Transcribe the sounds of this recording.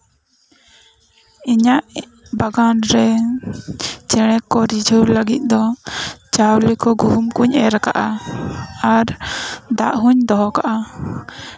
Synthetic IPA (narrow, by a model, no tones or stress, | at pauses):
iɲaʔ | baɡanɾɛ | t͡ʃɛɽ̃ɛkɔɾid͡ʒʱəwləɡit̪̚ˀd̪ɔt͡ʃawlɛkɔɡuɦumkuɲɛɾaka̰ʔa | aɾd̪aʔɦuɲd̪ɔɦɔkaʔa